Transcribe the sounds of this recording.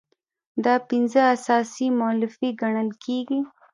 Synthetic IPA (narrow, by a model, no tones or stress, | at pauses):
d̪ɑpɪnzəasɑsimalɪfiɡaɳəlkʰeɡi